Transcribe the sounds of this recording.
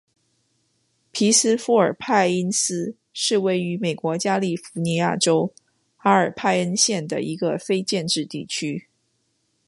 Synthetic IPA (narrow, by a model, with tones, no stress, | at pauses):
pʰi˧˥s̩˥fu˧˥ə˞˨˩pʰa˥˩ɪi˥ns̩˥ | ʂɻ̩˥˧we˥˩ɪy˧˥me˨˩ɪkwɔ˧˥t͡ɕja˥li˥˩fu˧˥ni˧˥ja̰˥˩ʈ͡ʂo˥ʊ | xa˥ə˞˨˩pʰa˥˧ɪə˥nɕjɛ˥˩nd̪ə̰˩ʔi˧˥ɡə˧fe˥ɪt͡ɕjɛ˥˧nʈ͡ʂɻ̩˥˧t̪i˥˩t͡ɕʰy˥